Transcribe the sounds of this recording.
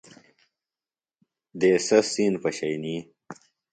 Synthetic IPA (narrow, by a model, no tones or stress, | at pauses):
d̪eːsɐsinpɐɕɐjni